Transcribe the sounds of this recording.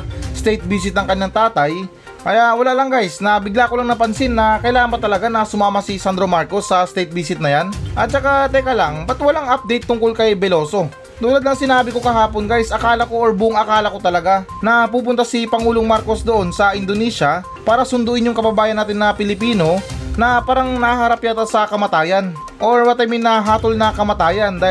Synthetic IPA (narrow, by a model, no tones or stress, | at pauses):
st̪ɛjt̪̚biːs̬ɪt̪̚nɐŋkɐɲːaŋt̪aːt̪ɐj | kɐjaʔwɐlaʔlɐŋɡajsnɐbɪɡlaːkolɐŋnɐpɐnsɪnːɐkɐjlaːɐnpɐt̪ɐlɐɡanɐsʊmaːmɐsisand̪ɾo̞maɾko̞sːɐst̪ɛjt̪̚biːsɪt̪nɐjanʔɐt̪̚t͡ʃɐkat̪ɛkɐlaŋbɐt̪wɐlaŋap̚d̪ɛjt̪ːʊŋkolkɐjbɛlo̞ːso̞ | t̪uːlɐd̪nɐŋsɪnaːbɪko̞kɐɦaːpo̞nɡajsʔɐkaːlɐko̞ʔoɹbʊʔʊŋɐkaːlɐko̞t̪ɐlɐɡa | nɐp̬uːp̬ʊnt̪asipɐŋuːloŋmaɾko̞sd̪oʔo̞nsɐʔɪnd̪onɛːʃɐ | paːɾɐsʊnd̪uʔɪnjʊŋkɐbɐbaːjɐnaːt̪ɪnːɐpɪlɪpiːno̞nɐpaːɾɐŋnɐaɦɐɾapjat̪ɐsɐkɐmɐt̪aːjɐn | ʔo̞ɹpɐt̪ɐjmɪnːɐɦaːt̪olnɐkɐmɐt̪aːjɐnd̪aː